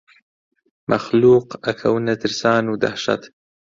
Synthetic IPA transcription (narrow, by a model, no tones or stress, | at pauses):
mʔaxluːqɐkʰɐwnɐt̪ʰɨɾsaːnud̪a̰ħʃa̰t̪